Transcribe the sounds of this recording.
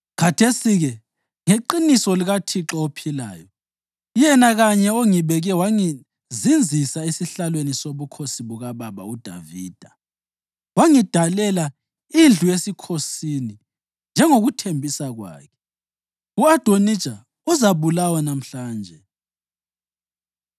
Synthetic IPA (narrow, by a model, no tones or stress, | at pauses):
kʰatʰesiɣɛ | ŋeǃinisɔliɣatʰiǁɔopʰila̰ːjɔ | jɛnaɣaɲɛoŋiβɛɣɛwaŋi | zind͡zʱisaisiɬalwenisoβukʰosiβuɣaβaβa̰ud̥ʱa̰vḭːd̥ʱa | waŋid̥ʱalɛla | ind͡ɮʱujesikʰosini | nd͡ʒʱɛŋoɣutʰembʱisaɣwa̰ːkʰɛ̥ | uad̥ʱonid̥ʒ̥ʱa | uzaβulawanam̩ɬaːnd͡ʒʱɛ